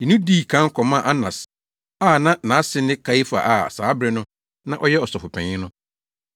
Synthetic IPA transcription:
i˨nʊ̃˦diː˦˨kʰã˦ŋ̩˦kʰɔ˨mã˦˨ʔa˦nã̰˨s | a˦˨nã˦nã˨˦sɪ˦nɪ̃˦kʰa˦i˦fa̰˨ʔa˨saː˨˦bɾɛ˦nʊ̃˦ | nã˦ʔɔ˦jɛ˦ɔ˨sɔ˨fʊ˨pʰɛ̰̃˨ɲɪ̃˦nʊ̃˦

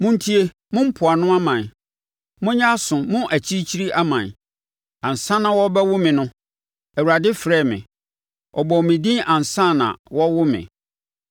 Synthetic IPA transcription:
mʊ̃˦n̩˦tʰi˦e˦ | mʊ̃˦m̩˦pʰʊ˨a˨nʊ̃˦a˦mã˨ | mʊ̃˦ɲã˦sʊ̃˨mʊ̃˦ʔæ˨t͡ɕʰi˦t͡ɕʰi˦ɾi˦ʔa˦mã˨n˨ | ã˨n˨sã˦nã˨wɔ˦bɛ˦wʊ˦mɪ̃˨nʊ̃˦ | æ˨wu˨a˨dɪ˦fɾɛ˦˨mɪ̰̃˨ | ɔ˨bɔ˨mɪ̃˨dĩ˦ʔã˨n˨sã˦˨nã̰˨wɔ˦wʊ˦mɪ̰̃˨

